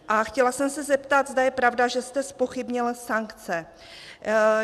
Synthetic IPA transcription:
ʔaxcɛlasɛmsɛzɛpt̪at̪zd̪ajɛpɾavdaʒɛst̪ɛspo̞xɪbɲɪlsaŋkt͡sɛ

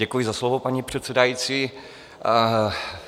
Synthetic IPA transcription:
ɛkujɪzaslovopaɲipr̝̥ɛt̪t͡sɛdajit͡siː

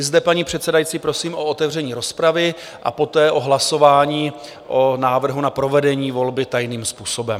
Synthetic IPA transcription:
ɪzdɛpaɲipr̥ɛt̪sɛdajit͡siːpɾo̞siːmʔo̞ot̪ɛvr̝ɛɲiːɾo̞spɾavɪ | ʔa̰po̞t̪ɛːʔo̞ɦlaso̞vaːɲiː | ʔo̞naːvr̩ɦunapɾo̞vɛdɛɲiːvo̞lbɪt̪ajniːmspuːso̞bɛm

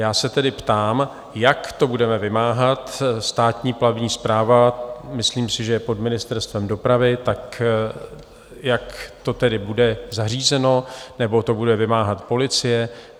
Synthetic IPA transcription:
jaːsɛt̪ɛdɪpt̪aːm | jakt̪o̞budɛmɛvɪmaːɦat̪st̪aːt̪ɲiːplabɲiːspɾaːvamɪsliːmsɪʒɛjɛpo̞dmɪnɪst̪ɛɾst̪vɛmdo̞pɾavɪt̪ak | jakt̪o̞t̪ɛdɪbudɛzar̝iːzɛno̞nɛbo̞t̪o̞budɛvɪmaːɦat̪po̞lɪt͡sɪjɛ

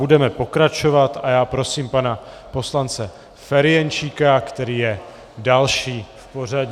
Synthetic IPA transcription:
udɛmɛpo̞kɾat͡ʃo̞vat̪ajaːpɾo̞siːmpana | po̞slant͡sɛ | fɛɾɪjɛnt͡ʃiːkakt̪ɛɾiːjɛ | dalʃiːfpo̞r̝aɟɲ

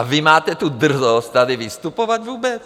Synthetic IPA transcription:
avimaːt̪ɛt̪ud̪r̩zɔst̪ad̪ivist̪upovaɟvuːbɛt͡s

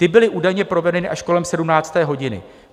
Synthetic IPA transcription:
t̪ɪbɪlɪʔuːdajɲɛpɾo̞vɛnɛnɪʔaʃkolɛmsɛdumnaːt͡st̪ɛːɦoɟɪnɪ̰

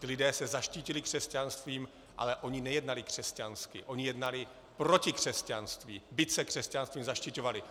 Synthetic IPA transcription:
cɪlɪdɛːsɛzaʃciːcɪlɪkr̥ɛscanst̪viːm | ʔa̰lɛʔo̞ɲɪnɛjɛdnalɪkr̝̥ɛscanskɪ̰ʔo̞ɲɪjɛdnalɪ | pɾo̞cɪkr̝̥ɛscanst̪viːbɪt̪t͡sɛkr̝̥ɛscanst̪viːmzaʃcɪco̞valɪ

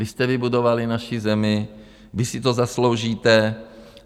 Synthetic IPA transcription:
vɪst̪ɛvɪbudo̞valɪnaʃɪzɛmɪ | vɪsɪt̪o̞zaslo̞wʒiːt̪ɛ

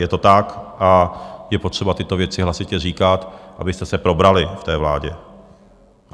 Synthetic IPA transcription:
jɛt̪o̞t̪akʔajɛpo̞t̪r̝̥ɛbat̪ɪt̪o̞vjɛt͡sɪɦlasɪcɛr̝iːkat̪ʔa̰bɪst̪ɛsɛpɾo̞bɾalɪft̪ɛːvla̰ːɟɛ

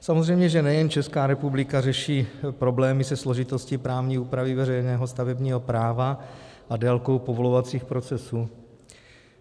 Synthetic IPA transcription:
samozrɛjmɲɛʒɛnɛjɛnt͡ʃɛskaːɾɛpublɪkarɛʃiːpɾo̞blɛːmɪsɛslo̞ʒɪt̪o̞scɪpɾaːvɲiːuːpɾavɪvɛrɛjnɛːɦo̞st̪avɛbɲiːɦo̞pɾaːvaʔadɛlko̞wpovo̞lovat͡siːxpɾo̞t͡sɛsuː

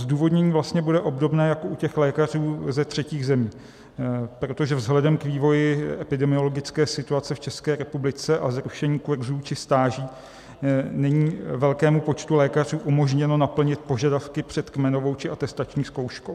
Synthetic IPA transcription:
zduːvo̞dɲɛɲiːvlast̪ɲɛbudɛʔo̞bdo̞bnɛːjakoʔucɛxlɛːkar̝uːzɛt̪r̝̥ɛciːɣzɛmiː | pɾo̞t̪oʒɛvzɦlɛdɛmkviːvo̞jɪɛpɪdɛmɪo̞lo̞ɡɪt͡skɛːsɪt̪uat͡sɛft͡ʃɛskɛːɾɛpublɪt͡sɛʔazɾuʃɛɲiːkuɾzuːt͡ʃɪst̪aːʒiː | nɛɲiːvɛlkɛːmupo̞t͡ʃt̪ulɛːkar̝uːʔumo̞ʒɲɛno̞napl̩ɲɪt̪̚po̞ʒadafkɪpr̝̥ɛt̪kmɛno̞vo̞wt͡ʃɪʔat̪ɛst̪at͡ʃɲiːsko̞wʃkow

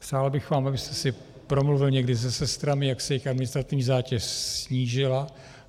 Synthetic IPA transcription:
pr̥aːlbɪxvaːmʔabɪst̪ɛsɪ | pɾo̞mluvɪlɲɛɡdɪzɛsɛst̪ɾamɪjaksɛjɛjɪxadmɪnɪst̪ɾat̪ɪvɲiːzaːcɛʃsɲiːʒɪla

